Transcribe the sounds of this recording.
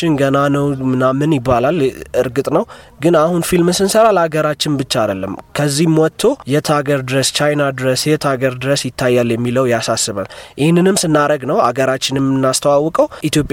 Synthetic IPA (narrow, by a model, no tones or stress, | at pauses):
ɪnɡənanəwmɨnamːɨnjɪbːalalɨɾɡɨt̪ʼnəw | ɡɨnahunfilmsɨnsəɾalaɡəɾat͡ʃːɪnbɨt͡ʃːad̪əlːə̰mkʰəzːihmwɔt̪ʰːojɛt̪ʰaɡəɾd̪ɨɾəst͡ʃajnad̪ɨɾəsjɛt̪ʰaɡəɾd̪ɨɾəsjɪt̪ʰːajːaljɛmːiləwjasasːɨβa̰lʔɪhnːɨnɨmsɨnːaɾəɡnəwa̰ɡəɾat͡ʃːɪnɛmːɨnːast̪ʰəwawːɔkʼəwʔit̪ʰjopʼ